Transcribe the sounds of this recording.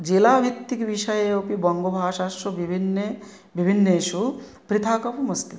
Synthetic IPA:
d͡ʒeːlaːbʱit̪ːikʋiʃɐjeopibɐŋɡobʱaːʃaʃobibʱinːe | bibʱinːeːʃu | pɾit̪ʰaːkɐpumɐst̪i

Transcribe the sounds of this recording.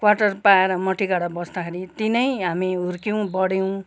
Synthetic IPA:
kwaʈʌrpaeɾʌmʌʈʰikaɽabʌsd̪akʰeɾit̪inʌjɦamiuɾkiw̃bʌɽiw̃

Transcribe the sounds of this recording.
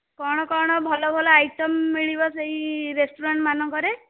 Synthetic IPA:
kɔɽ̃ɔkɔɽ̃ɔbʱɔlɔbʱɔlɔajʈɔmːiɭibɔseiɾesʈuɾaɳʈmanɔŋkɔɾe

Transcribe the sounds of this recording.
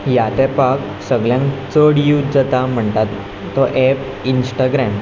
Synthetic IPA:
jat̪ɛ̃pak | səɡɭjãŋkt͡səɽjud͡zət̪am̤əɳt̪at̪ː | ɔʔɛp | insʈaɡɾɛm

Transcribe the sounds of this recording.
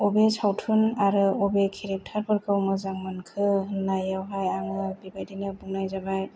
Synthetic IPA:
ɔbesawtʰunaɾɯɔbekʰiɾep̚tʰaɾpɯɾkʰɯwmɯzaŋmankʰɯnajawɦajaŋɯbibajdinɯbuŋnajzabaj

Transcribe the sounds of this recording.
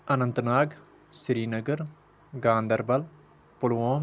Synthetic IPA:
ɐnɐ̃nt̪naːɡ | sɾiːnɐɡɐɾ | ɡãːnd̪ɐɾbɐl | pʊlʋoːm

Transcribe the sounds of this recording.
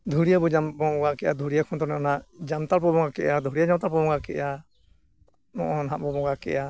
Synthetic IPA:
d̪ʱuɽijabɔd͡ʒambɔɔɡakɛʔad̪ʱuɽijakʰɔnt̪ɔnɛɔnaʔd͡ʒamt̪aɾpɔbɔŋɡakɛʔad̪ʱɔɽijad͡ʒamt̪apɔbɔ̃ŋɡakɛ̰ʔja | nɔʔɔnɦãʔbɔbɔɡakɛ̰ja

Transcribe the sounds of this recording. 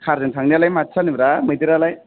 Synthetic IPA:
kʰaɾzentʰaŋnialajmatːt͡ʃʰanibɾamɯjt̪iɾalaj

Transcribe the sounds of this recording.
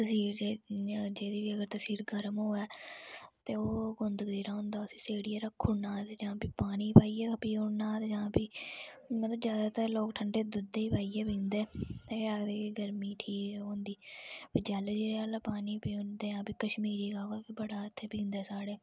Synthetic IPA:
t̪əsiːɾed͡ʒeːd̪iːʋiːəɡəɾt̪əsiːɾɡəɾmɦoːɛːt̪eːoːɡʊnd̪ɡiːɾaːʊ̃nd̪aːʊsĩːseːɽiːeːɾəkʰːʊnaːt̪eːd͡ʒãːpiːpaːniːpaːiːɛːkəpiːonːaːt̪ed͡ʒãːpiːmət̪ləbzjaːd̪aːt̪əɾloːkʈʰəɳɖeːd̪ʊd̪eːiːpaːiːɛːpĩːnd̪eːt̪eːaːkd̪iːkːɡəɾmiːʈʰiːkɛɦõːnd̪iːbəd͡ʒaːld͡ʒeːaːlaːpaːniːpiːond̪eːãːpiːkəʃmiːɾiːkaːkəbəɽaːt̪ʰːeːpĩːnd̪ɛːsaːɽeː

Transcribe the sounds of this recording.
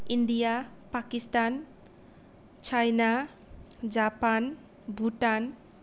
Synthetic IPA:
iɳɖijapakist̪an | t͡ʃʰajna | d͡ʒapan | bʱuʈan

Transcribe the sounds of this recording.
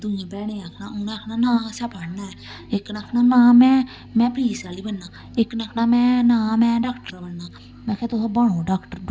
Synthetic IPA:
d̪ʊjãːbɛːɽeːaːkʰnaːʊnaːkʰnaːnãːsɛːpaːɽnaːɛː | ɪkːnaːkʰnaːnãːmɛ̃ː | mɛ̃ːpɾiːsaːliːbənːaː | ɪknaːkʰnaːmɛ̃ːnãːmɛ̃ːɖaːkʈəɾaːbəɳːaː | mɛ̃ːkʰet̪ʊsbəɳõːɖaːkʈəɾ

